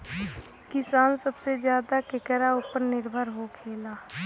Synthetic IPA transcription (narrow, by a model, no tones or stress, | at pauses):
kɪsaːnsəbsezjaːd̪akɪkəɾaʊpəɾnɪɾbʱəɾɦokʰeːlaː